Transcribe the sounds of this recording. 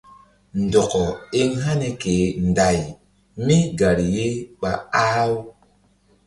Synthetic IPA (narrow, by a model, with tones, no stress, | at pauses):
n˨dɔ˨kɔ˨e˦ŋɦa˦ne˨ke˨˦n˨da˨j | mi˦ɡa˨ɾi˨je˦ɓa˨a˦w